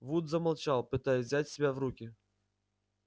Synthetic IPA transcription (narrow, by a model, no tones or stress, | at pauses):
vud̪zɐmɐlˠt͡ʃalˠpɨt̪ajɛzʲat͡sʲsʲɪbʲawrukʲi